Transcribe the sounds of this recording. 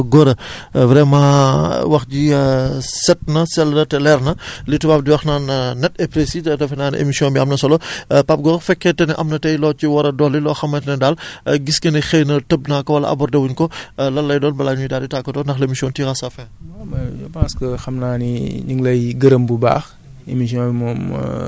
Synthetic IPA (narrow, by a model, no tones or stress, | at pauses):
ɡɔɾɐvɾɛmãːwɐxdi | sɛt̚nɐsɛlnɐtɛlɛɾnɐlitubap̚diwɐxnaːnnɛt̚ɛpɾesitɐtɐfɐnaːnʔḛmisjɔ̃nbiɐmnɐsɔlɔpap̚ɡɔɾɐfɛkːɛtɛnɛʔɐmnɐtɛjlɔːt͡ʃiwɐɾɐdɔlilɔːxɐmːɐtɛnɛdaːlɡiskɐnɐxejnɐtəb̚naːkɔwɐlɐ̰ʔɐ̰bɔrdɐwuɲkɔlɐlːɐjdɔːnbɐlaːɲudaːditaːkːɐtɔndɐxlemisjɔ̃ntiɾɐsafɛ̃ːmamɐɔpãskəxɐmnaːniɲiŋlɐjɡɐɾəmbuba̰ːx | emisjɔ̃bimɔːm̰